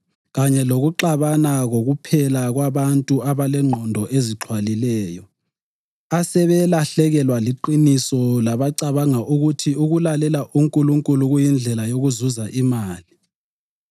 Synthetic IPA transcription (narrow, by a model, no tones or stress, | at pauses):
ɣaɲɛloɣuǃaβanaɣoɣupʰɛlaɣwaβantʼuaβalɛŋ͡ǃʱɔndʱɔʔeziǁʰwalilɛːjɔ | asɛβɛlaɬɛɣɛlwaliǃinisɔlaβaǀaβaŋaʔuɣutʰiuɣulalɛlaʔuŋkʼuluŋkʼuluɣujind͡ɮʱɛlajoɣuzuzaʔimaːli